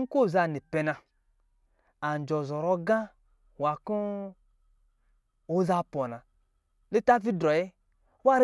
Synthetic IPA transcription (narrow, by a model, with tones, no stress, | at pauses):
ŋ̩˦ko˦˨za˧˨ni˨pɛ˨˧na˧ | a˨n˨d͡ʒɔ˨zɔ˨ɾɔ˦ɡã˦ | wa˨ku˦ | o˦za˧pɔ˨na˨ | li˦ta˦fi˦dɔ˨je˦ | wa˦ɾ